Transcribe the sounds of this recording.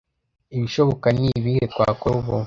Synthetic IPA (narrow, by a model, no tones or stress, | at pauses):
iβiʃoβokaniβihekwaːkoβo